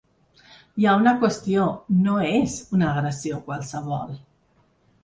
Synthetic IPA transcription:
jaunəkwəst̪ionoezunaːɣɾəsiokwalˠsəβɔ̰lˠ

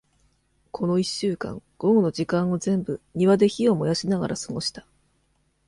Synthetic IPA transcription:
kʰo̞no̞iɕːɨːkã̰ŋɡ̥o̞no̞ʑikãɰ̃o̞zẽ̞mbɯ̟ɲ̟iβad̪e̞çio̞mo̞jaɕinaɡa̰ɾʔasɨɡo̞ɕi̥t̪ḁ

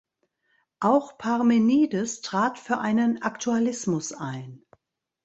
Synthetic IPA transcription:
ʔaʊxpʰaʁmeniːdəstʁ̥aːtfyːɐʔaɪnənʔaktʰualɪsmʊsaɪn

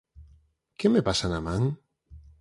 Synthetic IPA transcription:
kemepasanamãŋ

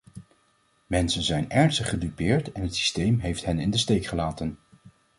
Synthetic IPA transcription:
mɛnsənzɛjnɛɹnstəχədypɪːɹtɛnɦətsi̥stejmɦejftɦɛnɪndəstejkχəlaːtən

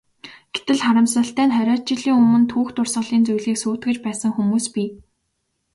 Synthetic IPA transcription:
ɡ̥et̪ɘ̆ɮχaɾə̆msə̆ɬt̪æːnχœɾʲɔːt͡ɕɪ̆ɮiːŋɵmɵ̆nt̪ʰuːxt̪ʊrsə̆ɮiːnt͡sujɮiːksuːt̪ɡɘ̆t͡ɕpæːsə̆ŋxumuːspi

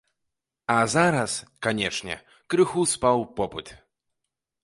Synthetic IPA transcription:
azaɾɐskanʲɛt͡ʂnʲɛ̰ | kɾɨxuspawpɔpɨt̪

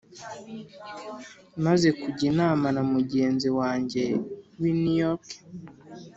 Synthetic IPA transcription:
maze̞kuɟinaːmanamuɟe̞ːnziwaːɲɟe̞winujoɾk

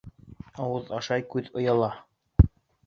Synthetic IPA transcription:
ɑwɤðɑʃɑjkʉðŏjɑlˠɑ

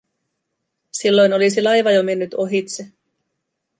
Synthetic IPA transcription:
silːo̞jno̞lis̬ilɑjʋɑjome̞nːyt̪o̞ɦit̪se

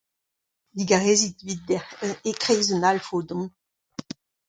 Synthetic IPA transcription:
diɡaʁezit̪vid̪̚ekχejzənalfoːdɔ̃

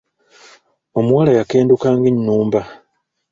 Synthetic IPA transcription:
o̞mwaːlajake̞ːndukaːŋɡinːuːmba

